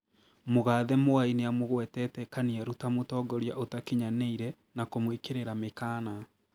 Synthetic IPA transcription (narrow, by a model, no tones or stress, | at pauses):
moɣaːðɛmoaineamoɣwɛtɛtɛkaniaɾutamotɔːɡɔɾja̰ʔotakeɲaneiɾɛ | nakomwikeɾeɾamekaːna